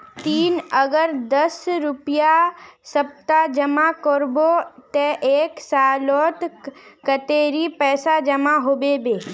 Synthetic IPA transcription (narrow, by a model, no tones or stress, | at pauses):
t̪iːnəɡəɾd̪əsɾʊpijasəp̚t̪ad͡ʒəmakɔɾbot̪eʔeːksaːloːt̪kət̪eːɾipɛːsad͡ʒəmaɦobebeː